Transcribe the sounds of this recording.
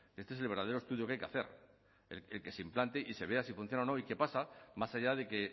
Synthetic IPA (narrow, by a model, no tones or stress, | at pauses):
kest̪es̬elβeɾðaðeɾo̞st̪uðjo̞keajkea̰θe̞̰ɾ | ḛlelke̞seimplant̪eʔise̞β̞e̞asifun̟θjo̞naono̞ike̞pasamasaʝaðe̞ke̞